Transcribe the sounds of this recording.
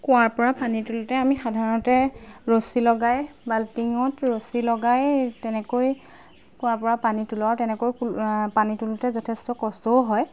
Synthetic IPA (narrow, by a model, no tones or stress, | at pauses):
kʊwaɹpɔɹapanitulʊtɛamixadʱaɹɔntɛɹosilɔɡajbaltiŋɔtɹosilɔɡajtɛnɛkoj | kʊ̃waɹpɔɹapanitulʊatɛnɛkojupanitulʊtɛzɔtʰɛstɔkɔstɔʊɦɔj